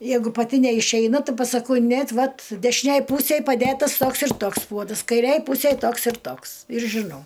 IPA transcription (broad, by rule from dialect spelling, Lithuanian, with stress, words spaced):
ˈjɛɪɡʊ pɐˈtʲɪ nʲɛɪʃʲɛɪˈnɐ ˈtʲɪ pɐsɐˈkɐʊ ˈnʲeːt ˈʋɐt dʲɛʃʲɪˈnʲeːj ˈpuːsʲeːj pɐˈdʲeːtɐs ˈtoːks ɪr ˈtoːks ˈpuɔdɐs kɐɪˈrʲeːj ˈpuːsʲeːj ˈtoːks ɪr ˈtoːks ɪr ʒʲɪˈnɐʊ